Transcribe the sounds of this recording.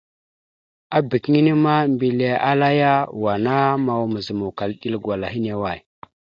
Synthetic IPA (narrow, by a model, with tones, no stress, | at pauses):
a˦bi˨kŋi˦ni˦ma˦mbi˨le˨ʔa̰˦la˦ja˦wa˨na˦ma˨wmə˨zə˨mu˨ka˨lɗi˦lɡwa˨la˨ɦi˦ne˨wa˦˨j